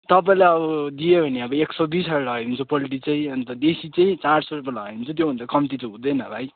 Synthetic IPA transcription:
t̪ʌp̬aĩlajʌbʌd̪ijebʱʌneʌbʌeksʌb̪isʌɾlʌeunt͡sʰupʌliʈ̬it͡saĩʌnt̪ʌd̪esit͡saĩt͡saɽsoɾpʌlʌɡeunt͡sʰut̪jobʱʌnd̪akʌmit̪it͡sʌ̃ɦũd̪ʌjnʌbʱaj

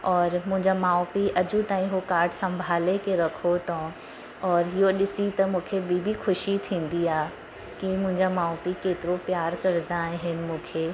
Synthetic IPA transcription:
ɔːɾmʊ̃ɦɪ̃ɲd͡ʑamaːopiʔɐd͡ʑut̪aːĩɦokaːɾʈsɐ̃mbʱaːlekeɾɐkʰot̪õ | ɔːɾɦɪjoɗɪsit̪ɐmũːkʰebʱiːbʱixʰʊʃit̪ʰĩːn̆d̪iaː | kimʊ̃ɦɪ̃ɲd͡ʑamaːopikeːt̪ɪɾopjaːɾkɐɾd̪aẽɦɪnɪ̆mũːkʰe

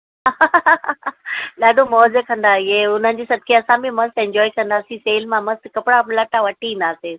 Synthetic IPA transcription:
a | ɗaːɗomɔːzəkɐ̃nd̪aɪɦeʊn̤ənɪ̆d͡ʑeːsɐb̚kʰeɐsãbimɐst̪ɛ̃ɲd͡ʑɔːikɐ̃nd̪aːsĩseːlmãmɐst̪kɐpɽamlɐʈaʋɐʈʰiĩːn̆d̪aːseː

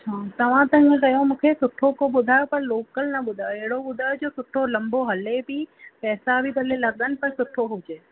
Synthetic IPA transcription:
t͡ɕʰaːt̪ɐʋ̤ãt̪ɐɦɪ̃ŋẽkɐjõmũːkʰesʊʈʰokoɓʊd̪ʱaːjopɐɾloːkəlnɐɓʊd̪ʱaːjoeɦɪɽoɓʊd̪ʱaːjod͡ʑoːsʊʈʰolɐ̃mboɦɐlebipɛːsabʱid̪ɐlelɐɠənɪ̆pɐɾ̃sʊʈʰoɦʊd͡ʑeː

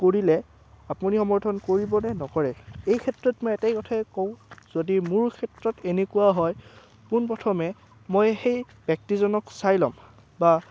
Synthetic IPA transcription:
koɹilɛ | apunixɔmɔɹtʰɔnkoɹibɔnɛnɔkɔɹɛejkʰɛtɹɔtmɔjɛtɛjkɔtʰajkoʊ̃z̥odimʊɹkʰɛtɹɔtenekuwaɦɔj | kunpɹɔtʰɔmɛ | mɔjxej | bjak̚tizɔnɔksajlɔ̰m | ba

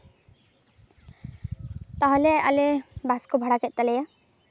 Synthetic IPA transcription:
t̪aɦɔlea̰lebaskobʱaɽakɛʔ̚ˀt̪alɛja

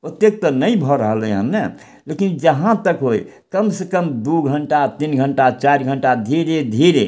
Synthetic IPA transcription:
ot̪ek̚t̪ənəjbʱɔɾəɦələɦəmne | lekind͡ʒəɦãt̪əkɦoj | kəmsekəmd̪uɡʱəɳʈat̪inɡʱəɳʈat͡ʃaɾɡʱəɳʈad̪ʱiɾed̪ʱiɾe

